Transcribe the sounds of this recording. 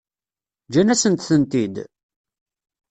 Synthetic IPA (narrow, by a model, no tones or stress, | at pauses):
d͡ʒænæsənt̪θənt̪id̪